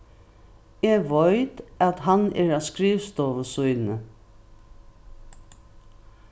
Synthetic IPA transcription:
ɛɡʋɔjt̪at̪ɦanɛ̰ːɹaskɾiːʋst̪ɔːʋəsʊjnnə

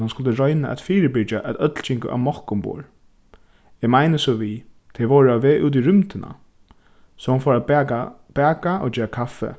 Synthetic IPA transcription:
hanskʊlt̪əɾɔʏnaʔɛ̰t̪fiːɾɪbɪt͡ʃaʔɛt̪œt̪lt͡ʃʰɪŋkʊ̰ʔa̰ʋmɔhkʊmbṵːɹ | ɛːmajnəsɔʋiː | t̪ʰɛʋɔwɹaʋeːʔṵːt̪̬iɾʏmt̪ɪna̰ | sɔhanfɔːɹaa | b̥ɛːkaʔo̰d͡ʒeːɾakʰafːɛ̰

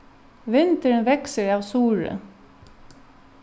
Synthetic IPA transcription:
ʋɪnt̪əɹənʋɛksəɹɑːʋsuːɹə̰

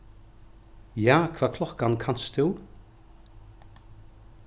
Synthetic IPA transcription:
jaːkʰvaːkʰlɔkankʰanst̪ʰʉː

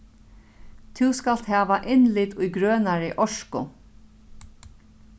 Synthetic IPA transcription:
t̪ʰɪwskal̥t̪ɦɛːʋaʔɪnlɪt̪ʊjɡɾøːnaɹɪʔɔʂkʊ

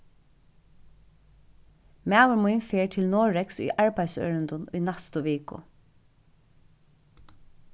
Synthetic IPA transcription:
mæːwəɹmuɪnfeːɹʈʰɪlnoːɹɛksʉ̰jʔɑɹbæɪsœ̰ʏɹənd̪ʊnʉ̰ːnɛst̪ʊʋeːkʊ̰

